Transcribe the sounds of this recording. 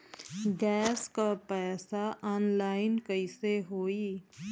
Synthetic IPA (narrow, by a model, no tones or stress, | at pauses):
ɡɛːskapɛːsaʔaːnlaːɪnkəɪseɦoːi